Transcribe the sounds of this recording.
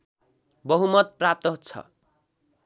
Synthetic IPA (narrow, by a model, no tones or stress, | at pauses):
bʌɦumʌt̪̚prap̚t̪ʌɦut͡sʰʌ̰